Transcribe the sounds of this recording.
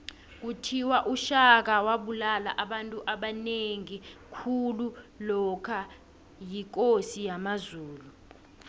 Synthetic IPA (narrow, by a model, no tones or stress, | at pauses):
k̬utʰiwaʔuʃak̬awaɓulala̰ʔaɓantʼuʔaɓaneŋikʰululɔkʰa | jik̬ʼosijamazuːlu